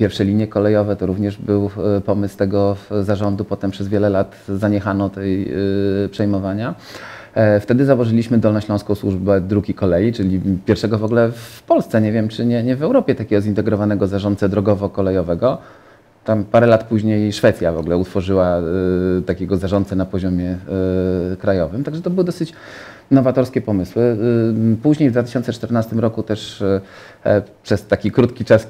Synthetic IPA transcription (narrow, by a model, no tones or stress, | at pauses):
pʲjɛɾfʂɛlʲiɲjɛkɔlɛjɔvɛt̪ɔɾuvɲɛʐbɘwpɔmɘst̪ɛɡɔzaʐɔnd̪upɔt̪ɛmpʂɛzvʲjɛlɛlat̪zaɲɛxanɔt̪ɛj | pʂɛjmɔvaɲa | ft̪ɛd̪ɘzawɔʐɘlʲiɕmɘd̪ɔlnɔɕt͡ɕlɔ̃w̃skɔ̃w̃swuʐbɛd̪ɾuɡʲikɔlɛjit͡ʂɘlʲipʲjɛɾfʂɛɡɔvɔɡlɛfpɔlst̪sɛɲevʲjɛmt͡ʂɘɲɛɲɛvɛwɾɔpʲjɛt̪akʲɛɡɔzint̪ɛɡɾɔvanɛɡɔzaʐɔnt̪sɛd̪ɾɔɡɔvɔkɔlɛjɔvɛɡɔ | t̪ampaɾɛlat̪puʑɲejʂfɛt̪sʲjavɔɡlɛut̪fɔʐɘwa | t̪akʲɛɡɔzaʐɔnt̪sɛnapɔʑɔmʲjɛ | kɾajɔvɘmt̪aɡʐɛt̪ɔbɘwɘd̪ɔsɘt͡ɕ | nɔvat̪ɔɾskʲɛpɔmɘswɘ | puʑɲejvd̪vat̪ɘ̥ɕɔnt̪sɛt͡ʂt̪ɛɾnast̪ɘmɾɔkut̪ɛʂ | pʂɛst̪akʲikɾut̪kʲit͡ʂas